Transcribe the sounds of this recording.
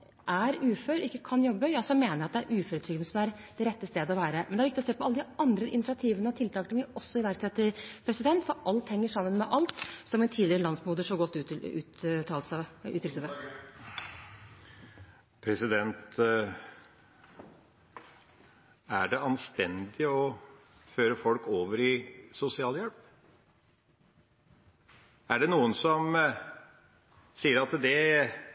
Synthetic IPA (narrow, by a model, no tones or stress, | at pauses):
ʔæɾʉːføːɾɪkːəkʰɑnjɔbːəjɑsɔmeːnəɾɑt̪̚d̪ɛæɾʔʉːføːɾət̪ʰɾʏɡənəsɔmæɾd̪ɛɾɛt̪ːəst̪eːd̪əɔʋæːɾəmɛnd̪ɛæɾʋɪkt̪ɪɔseːpɔɑlːəd̪ɪʔɑnd̪ɾəɪnɪsɪɑt̪ʰiːʋənəɔt̪ʰɪlt̪ʰɑːkət̪ʰɪʋɪɔsːɔɪʋæɾkt̪ʰɛt̪ɪpʰɾɛsɪd̪ɛnt̪fɔɾɑlt̪hɛŋːəʂɑmːənmɛʔɑlt̪sɔmɛnt̪ʰiːd̪lɪɾəlɑnsmuːd̪əʂɔɡɔt̪ːʉʉ̰ːt̪ʰːɑːlt̪sɑʉ̰ːt̪ʰːɪlt̪əʋ̪ə | pʰɾɛsɪd̪ɛnt̪ | æɖɛɑnst̪ɛnd̪ɪɔ | føːɾəfɔlkoːʋəɾɪsʊsɪɑːljɛlp | æɖɛnuːənsɔm | siːəɾɑt̪d̪ɛ